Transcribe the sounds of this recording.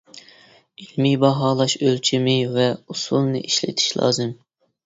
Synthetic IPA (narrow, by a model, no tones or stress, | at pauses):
ilmibɑɦɑːlˠɑʃølt͡ʃʰimɪvɛusulˠnɨʔiʃlɪ̰t̪ʰi̥ʃlˠɑ̰ːzɨm